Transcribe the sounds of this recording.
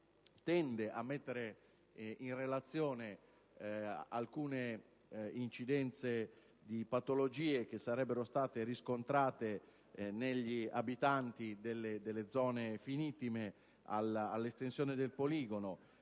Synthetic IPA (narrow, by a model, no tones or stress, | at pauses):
t̪ɛnd̪eʔamːet̪ːeɾe | inrelat̪sːjoːne | alkuːne | int͡ʃid̪ɛnt̪se | d̪ipat̪olod͡ʒiːek̟esːaɾɛbːeɾost̪aːt̪eɾiskont̪ɾaːt̪e | neʎːiabit̪ant̪id̪elːed̪elːed̪zɔːnefinit̪ːime | a̰lalːest̪ensjoːned̪elpoliːɡono